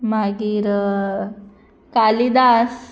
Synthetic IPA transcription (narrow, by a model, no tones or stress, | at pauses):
maɡiɾ | kalid̪as